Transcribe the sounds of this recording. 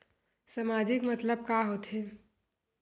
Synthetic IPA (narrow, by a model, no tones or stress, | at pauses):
səmaːd͡ʒɪkmət̪ləb̚kaɦot̪ɦe